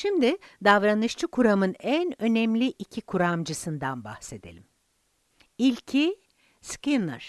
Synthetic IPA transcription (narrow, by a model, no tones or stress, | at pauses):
ʃimd̪ɪd̪avɾanɯʃt͡ʃʰɯkʰuɾamɯnænø̞nɛmlʲiʔicʰikʰuɾamd͡ʒɯsɯnd̪anba̰hse̞d̪elʲim | ilʲcʰi | skinɯ̰ɾ̥